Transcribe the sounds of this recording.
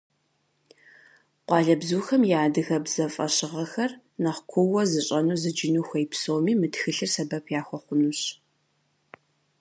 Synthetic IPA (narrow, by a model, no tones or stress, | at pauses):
qʷɑːɮɐbzuːxɐmjaːdɨɣɐbz̥ɐfʼɐ̰ɕɪʁɐxɐr | nɐχʷkʷʰʊwɐzɨɕʼɐnuːzɨd͡ʒɪnuːxʷɐjpsoːwmiːmɨtxɨɬɨrsɐbɐpʰjaːxʷɔχʷʊnuɕ